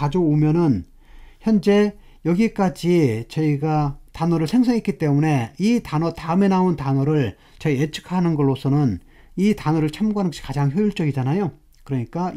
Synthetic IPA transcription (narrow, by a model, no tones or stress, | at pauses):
kad͡ʑoomjʌnɯn | çjʌnd͡ʑe̞ | jʌɡik͈ad͡ʑit͡ɕʌiɡatanʌɾɯɭsʰe̞ŋs̬ʰaŋɦik͈it͈e̞mune̞itanʌtaɯme̞nauntanʌɾɯɭ | t͡ɕʌiet͡ɕʰɯ̥kʰanɯnɡʌɭːosʰʌnɯn | itanʌɾɯɭt͡ɕʰamɡuanɯnɡʌɕʰi̥kad͡ʑaŋçjojuɭt͡ɕ͈ʌɡid͡ʑanajo | kɯɾʌɲik͈a